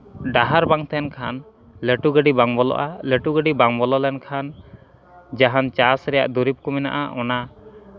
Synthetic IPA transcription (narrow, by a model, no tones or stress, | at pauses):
ɖaɦaɾbaŋt̪ɛnkʰan | ləʈuɡəɖibaŋbɔlɔ̰ʔaləʈuɡəɖibaŋbɔlɔlɛnkʰan | d͡ʒaɦant͡ʃasɾɛja̰ʔd̪uɾip̚kɔmɛna̰ʔaʔɔna